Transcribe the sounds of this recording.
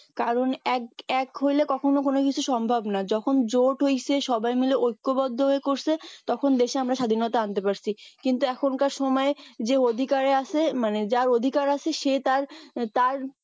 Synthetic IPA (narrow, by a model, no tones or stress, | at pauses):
kaɾonɛkɛkɦojlekɔkʰonok̬onokit͡ɕʰuʃɔmbʱabnad͡ʑɔkʰond͡ʑoʈɦojt͡ɕʰeʃɔbajmileʔojkːobɔd̪ʱːoɦoekoɾt͡ɕʰet̪ɔkʰond̪eʃeamɾaʃad̪ʱinɔt̪aant̪epaɾt͡ɕʰikint̪uɛkʰonkaɾʃɔmɔed͡ʑeod̪ʱikaɾeat͡ɕʰemaned͡ʑaɾod̪ʱikaɾat͡ɕʰeʃet̪aɾt̪aɾ